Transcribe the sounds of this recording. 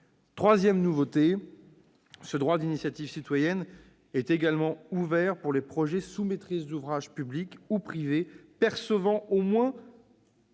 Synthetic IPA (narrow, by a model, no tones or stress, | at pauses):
t̪χwazjɛmnuvot̪e | səd̪ʁwad̪inisjat̪iv̥sit̪wajɛn | ɛt̪eɡalmɑ̃uvɛʁpuʁlepχɔʒɛsumet̪χizd̪uvʁaʒpyblikupχivepɛʁsəvɑ̃omwɛ̃